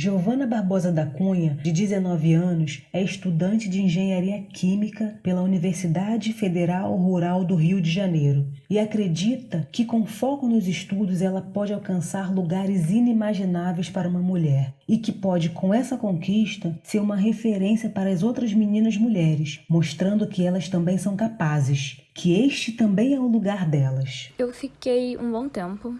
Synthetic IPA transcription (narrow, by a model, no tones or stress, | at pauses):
ʒovɐ̃nɐbaɾbɔzɐd̪akũɲɐd͡ʒɪd͡ʒɪzenɔvɪɐ̃nʊsɛɪʃt̪ud̪ɐ̃nt͡ʃɪd͡ʒɪĩʒẽɲaɾiɐkʰĩmikɐpelɐuniveɾsid̪ad͡ʒɪfed̪eɾawɦuɾawd̪ʊɦiʊd͡ʒɪʒanejɾʊɪakɾed͡ʒit̪ɐkɪkõw̃fɔkʊnʊzɪʃt̪ud̪ʊzɛlɐpɔd͡ʒɪawkɐ̃saɾluɡaɾɪzinimaʒinavejspaɾɐũmɐmuʎɛɾɪkɪpɔd͡ʒɪkʰõw̃ɛsɐkõkiʃt̪ɐseɾũmɐɦefeɾẽsiɐpaɾɐɐzowt̪ɾɐzminĩnɐzmuʎɛɾɪsmoʃt̪ɾɐ̃nd̪ʊkɪɛlɐst̪ɐ̃mbẽj̃sɐ̃w̃kapazɪʃ | kʰɪeʃt͡ʃɪt̪ɐ̃mbẽj̃ɛʊluɡaɾd̪ɛlɐsewfikejṵ̃bõw̃t̪ẽmpʊ